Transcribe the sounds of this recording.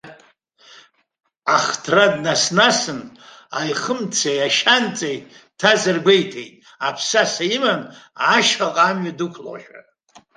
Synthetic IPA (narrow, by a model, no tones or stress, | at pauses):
aχtʰradnasnasɨn | ajχəmt͡sʰejaʃant͡sʼejtʼtʰazɨrɡʷejtʰejtʼ | apʰsasaimanaʃχaqʼamɥadukʷʰlo̰ʃᶣa̰